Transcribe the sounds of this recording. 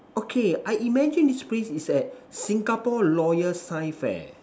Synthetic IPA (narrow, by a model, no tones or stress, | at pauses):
ʔokʰeajʔimɛd͡ʒə̃ndisplesisɛt̚sĩŋɡapɔlɔjəsaɪfɛ̰